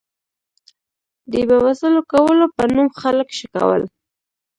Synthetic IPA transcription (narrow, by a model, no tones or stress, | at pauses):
d̪ebawasəlokawəlopənumxaləkʃəka̰wə̰l